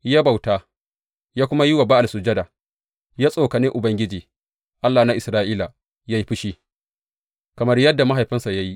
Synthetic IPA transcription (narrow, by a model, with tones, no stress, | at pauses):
ja˦ba˨wtaː˦ | jaː˦kʷʊ˦ma˦ji˦wa˨ba˦ʔa˨lsʊ˨d͡ʒɐ˦daː˨ | jaː˦sʼoː˨kɐ˨nɪ˦ŋʔʊ˨bɐ˦ŋɡʲɪ˦d͡ʒiː˨ | ʔa˦lːa˨na˦ʔɪ˨sɾaː˦ʔiː˦la˨ | ja˦jɸɪ˦ʃiː˦ | kɐ˨mɐ˦rjɐ˦dːa˨ma˦ɦa˨jɸɪ˦nsa˨ja˦ji˦ʔ